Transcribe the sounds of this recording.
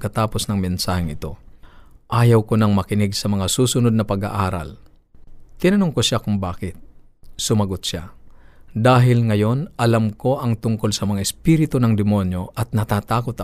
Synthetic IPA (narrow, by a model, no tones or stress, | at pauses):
kɐt̪aːposnɐŋmɛnsaːhɪŋɪt̪o̞̰ | ʔaːjɐwkonɐŋmɐkɪnɪɡsɐmɐŋasuːsʊnod̪̚nɐpɐɡa̰ʔaːɾɐ̰l | t̪ːɪnɐnoŋkosʃakʊŋbaːkɪt̪̚ | sʊmɐɡot̪̚ʃa | d̪aːɦɪlŋɐjo̞nʔɐlamko̞ʔɐŋt̪ʊŋko̞lsɐmɐŋaɪspiɾɪt̪onɐŋd̪ɪmo̞njo̞ʔɐt̪̚nɐt̪aːt̪aːkot̪ɐ